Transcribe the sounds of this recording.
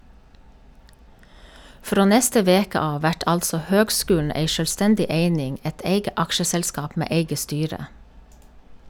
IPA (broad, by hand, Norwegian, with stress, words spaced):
ˈfɾoː ˈnɛstə ˈʋeːkə ˈɑː ˈʋæʈ ˈɑltsɔ ˈhøːɡˌskʉːln̩ ˈeɪ ˌʃœlˈstɛndɪ ˈeɪnɪŋ ˈeɪt ˈeɪɡə ˈɑkʃəsɛlˌskɑːp ˈmeː ˈeɪɡə ˈstyːɹə